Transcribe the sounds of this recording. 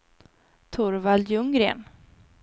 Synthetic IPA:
t̪ʰʊɾvaljɵŋɾḛːn

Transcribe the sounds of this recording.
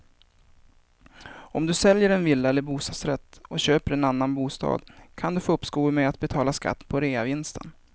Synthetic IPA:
ɔmd̪ɵsɛljəɾɛnvɪlːaɛlːəɾbuːst̪ɑːd̪sɾɛt̪ːɔɕøːpəɾɛnanːanbuːst̪ɑ̰ːd̪kʰand̪ɵfoːɵpːskuːlmɛat̪̚bɛt̪ʰɑːlaska̰t̪ːpʰɔɾeːavɪnst̪ə̰n

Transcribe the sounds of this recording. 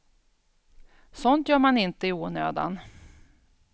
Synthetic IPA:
sɔnt̪jœːɾmanɪnt̪əɪuːnø̰ːd̪a̰n

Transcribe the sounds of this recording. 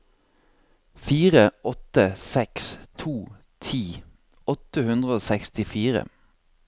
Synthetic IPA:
fiːʁəʔɔt̪əsɛkst̪ʰuː | t̪ʰiː | ɔt̪əhʉnd̪ʁəoːsɛkst̪ɪfiːʁə̰

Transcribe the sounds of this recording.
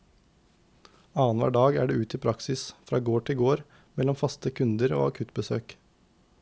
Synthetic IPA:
ɑːənʋæ̰ːɖɑːɡæ̰ːɖeːʉːt̪ɪpʰɾɑksɪsfɾɑːɡoːʈʰɪlɡoːɾ | mɛlɔmfɑst̪əkʰʉnd̪əɾo̰ːɑkʰʉt̪bəsøːk

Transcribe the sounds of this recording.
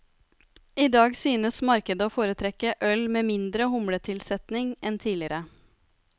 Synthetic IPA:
iːd̪ɑːɡsyːnəsmɑɾkəd̪əoːfoːɾət̪ʰɾɛkəʔœlmeːmɪnd̪ɾəhʊmɽət̪ʰɪlsɛt̪nɪŋɛnt̪ʰiːlɪɾə

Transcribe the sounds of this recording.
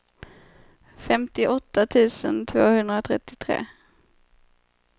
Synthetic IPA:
fɛmt̪ɪʔɔt̪ːat̪ʰʉ̟ːsə̰nt̪ʰvoːhɵnd̪ɾat̪ʰɾɛt̪ːɪt̪ʰɾḛː

